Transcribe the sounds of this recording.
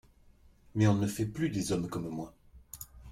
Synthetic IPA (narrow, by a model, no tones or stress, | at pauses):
mɛɔ̃nəfɛplyd̪ezɔmkɔmmwa